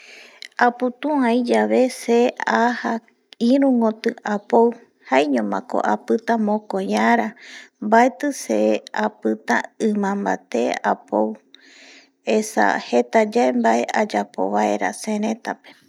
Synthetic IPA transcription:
aput̪ũãjd͡ʒaʋe̞seaha | ĩɾũŋot̪ɨapow | hajɲõmã̰ko̞̰ʔapɨt̪amõkoɲãɾambaet̪ɨseapɨt̪a̰ɨ̃mãmba̰t̪eapow | esa̰het̪ad͡ʒaembae̞ʔad͡ʒapo̞̰βae̞ɾa̰sẽɾẽt̪ape

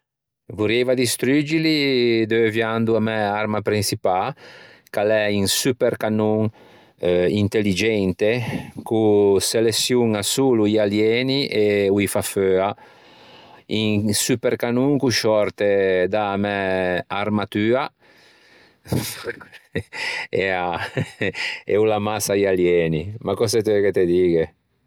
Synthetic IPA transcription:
vuɾevad̪ist̪ɾyd͡ʒilid̪øvjand̪uamɛaɾmapɾinsipakalɛiŋsypeɾkanuŋ | int̪elːid͡ʒɛnt̪ekuselesjuŋasuːluialjɛːniʔeuifaføa | iŋsyperkanuŋkuʃɔrt̪ed̪amɛarmat̪yːa | ea | ḛulamasajaljɛːnimakɔsɛt̪ɛket̪ed̪iːɡe

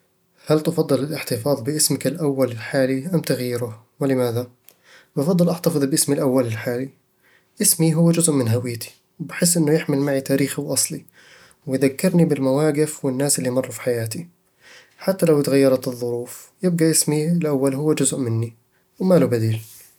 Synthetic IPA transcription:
halt̪ɑfɑd̪ˤːɨlɪlʔɪħt̪ɪfɑːðˤbɪʔɪsmɪkɪlʔawːalɪlħaːliʔamt̪aɣjɪɾʊ | wɪlɪmaːða | bɑfɑd̪ˤːɨlʔɑħt̪ɑfɨðˤbɪʔɪsmilʔawːalɪlħaːli | ʔɪsmiɦʊwːad͡ʒʊzʔmɪnɦawɪjːt̪i̥ | wbɪħɪs̬ːʔɪnːʊjɪħmɪlmaʕit̪aːɾiːxiwʔɑsˤli | wɪjðakːɪɾnibɪlmawaːɡɪfwɪnːaːsʔɪlːimɑrˤːufi̥ħajaːt̪i | ħat̪ːalawɪt̪ɣajːɑɾˤɑt̪ɨðˤːʊɾuːf | jɪb̚ɡaʔɪsmiɪlʔawːalɦʊwːad͡ʒʊzʔmɪnːi | wmalubad̪iːl

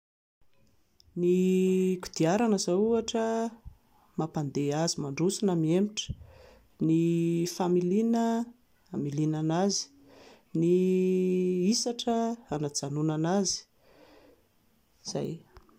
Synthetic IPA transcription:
niku̥d̪̥iaɾanəzauaʈ͡ʂə | mapand̪eazimaɳɖ͡ʐusinamiemiʈ͡ʂə̥ | nifamilinə | amilinanazi̥ | ni | isaʈ͡ʂəanad͡zanunanazi̥ | z̥a̰j

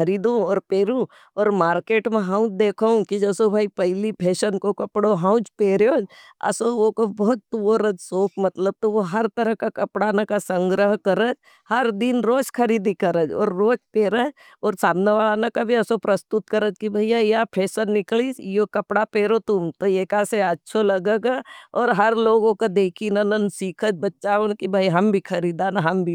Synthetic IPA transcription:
ɐɾiːd̪ũɔːɾpeːɾũ | ɔːɾmaːɾkeːʈmẽɦãːʊ̃d͡ʒd̪eːkʰaũkid͡ʒɐsobʱaːipɐɦɪlipʰeːʃənkokɐpɽoɦãʊ̃t͡ʃpeːɾjoːd͡ʒɐ̰soʋokobɔɦt̪ːuoɾəd͡ʒsoːkʰmɐt̪ləb̚t̪oʋoɦɐɾt̪ɐɾəɦkakɐpɽanakasɐ̃ŋɡɾəɦkɐɾəd͡ʒ | hɐɾd̪inɾoːt͡ʃkʰɐɾiːd̪ikɐɾəd͡ʒɔ̰ːɾːoːt͡ʃpeːɾəd͡ʒ | ɔːɾsaːmneʋaːlanakabʱiɐsopɾɐst̪ʊt̪̚kɐɾəd͡ʒkibʱɐijajapʰeːsəlnɪklisjokɐpɽapeːɾot̪ʊmt̪oeːkaseɐtːʃʰolɐɡeɡaɔːɾɦɐɾloːɡõkad̪eːkʰinɐnənsiːkʰəd͡ʒbɐtːʃaonkibʱɐiɦɐmbʱikʰɐɾiːd̪anɦɐmbʱi

